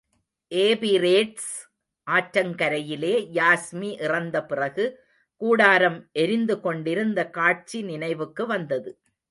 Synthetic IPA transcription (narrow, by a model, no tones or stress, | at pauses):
ʔeːbiɾeːʈs | ʔaːʈɾɐŋkɐɾɐjɪleːjaːsmiʔɪrɐnd̪ɐpɪrɐɣɯ | kuːɽaːɾɐmʔɛɾɪnd̪ɯkɔɳɖɪɾɯnd̪ɐkaːʈ̚t͡ʃinɪnɐɪʋɯkːɯʋɐnd̪ɐðɯ